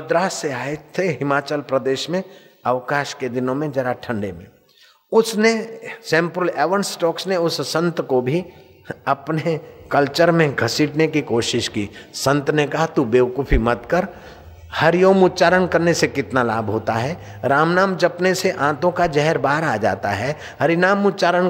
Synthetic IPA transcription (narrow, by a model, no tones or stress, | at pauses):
md̪ɾaːseaːɪt̪ʰːeɦɪmaːt͡ʃəlpɾəd̪eːʃmẽ | əʋkaːʃked̪ɪnõmẽd͡ʒɐɾaʈʰə̃ɳɖemḛ̃ | ʊsnesɛ̃ːmpɾəlɛːʋənsʈɔːksneʊssə̃nt̪kobʱi | ɐpnekəlt͡ʃəɾmẽɡʱɐsiːʈnekikoːʃɪʃkiːsə̃nt̪nekɐɦat̪ubeːwkʊpʰimɐt̪kəɾ | hɐɾijoːmʊt̪t͡ʃaːɾənkɐɾnesekɪt̪nalaːbʱɦoːt̪aɦɛː | ɾaːmnaːmd͡ʒɐpneseʔãːt̪õkad͡ʒɛɦɛɾbaːɾaːd͡ʒa̰ːt̪a̰ɦɛ | hɐɾinaːmʊt̪t͡ʃaːɾən